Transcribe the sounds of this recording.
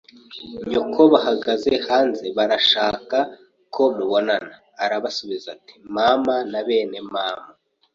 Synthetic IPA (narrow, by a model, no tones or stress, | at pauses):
ɲukʰo̞βahaɡaze̞haːnzeβaɾaʃaːka | kʰo̞muβo̞nanaːɾaβasoβizati̥maːmanaβe̞ːne̞maːma